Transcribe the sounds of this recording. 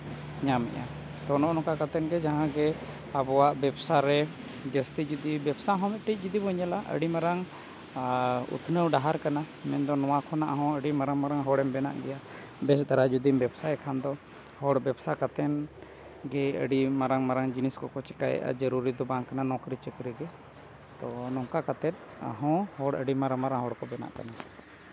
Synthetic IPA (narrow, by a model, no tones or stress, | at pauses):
ɲamɛ̰ʔa | t̪ɔnɔʔnɔkakat̪ɛnɡɛd͡ʒaɦãɡɛ | abɔwaʔbɛbsaɾɛ | d͡ʒəst̪id͡ʒud̪ibɛbsaɦɔ̃mɛt̪̚ʈic̚d͡ʒud̪ibɔɲalaʔə̰ɽimaɾaŋ | ṵt̪ʰnəwɖaɦaɾkana | mɛnd̪ɔnɔwakʰɔnaʔaɦɔ̃əɖimaɾaŋmaɾaŋɦɔɽɛmbɛna̰ʔɡɛja | bɛsd̪aɾad͡ʒud̪imbɛbsajɛkʰand̪ɔ | hɔɽbɛbsakat̪ɛn | ɡɛə̰ɖimaɾaŋmaɾaŋd͡ʒiniskɔkɔt͡ʃɛkajɛ̰ʔa̰d͡ʒəɾuɾid̪ɔbaŋkːananɔ̃kɾit͡ʃəkɾiɡɛ | t̪ɔnɔŋkakat̪ɛt̪̚ˀ | a̰ɦɔ̃hɔɽə̰ɖimaɾaŋmaɾaŋɦɔɽkɔbɛna̰ʔka̰na